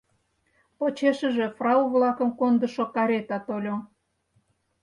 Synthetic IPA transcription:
pot͡ɕeʃə̆ʒe̽frɑuβlɑkə̆mkond̪ə̆ʃokɑɾʲet̪ɑt̪olʲo

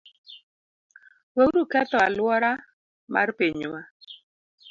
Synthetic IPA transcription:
weuɾukɛt̪ɔalwɔɾa | mʔa̰rpeɲwa

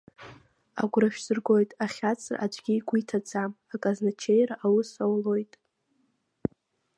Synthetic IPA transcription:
a̰ɡʷraʃᶣz̥ɨrɡo̞jtʼaχʲat͡sʰra̰ʔad͡ʒʷʼɡʲiɡʷuitʰad͡zʰamakʼaznat͡ʃʰejraʔawʊsawlo̞jtʼ

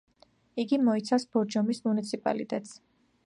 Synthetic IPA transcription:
iɡimɔit̪sʰafsb̥ɔɾd͡ʒɔmismunit̪sʰipʼa̰lḭt̪ʼɛt̪s

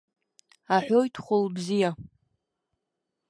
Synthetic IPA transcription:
aħʷᶣojtʰχʷʊlbzija

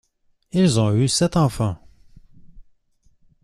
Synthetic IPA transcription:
ilzɔ̃ysɛt̪ɑ̃fɑ̃

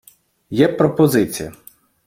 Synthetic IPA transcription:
jɛpɾɔpɔzɪt͡sʲijɐ

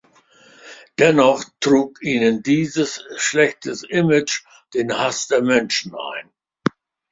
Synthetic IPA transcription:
d̥ɛnɔχtʁ̥uːkʔiːnəndiːzəsʃlɛçtʰəsʔɪmɪt͡ʃ | d̥eːnhasd̥eːɐmɛnʃn̩ʔa̰ɪn

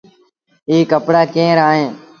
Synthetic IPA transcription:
iːkəpɽaːkẽːɾaːɦẽː

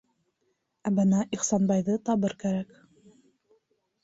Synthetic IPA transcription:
æbɤnæʔiχsɑnbɑjðɤt̪ɑβɤɾkæɾæk

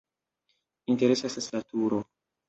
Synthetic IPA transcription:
inte̞ɾe̞sesaslatuɾo

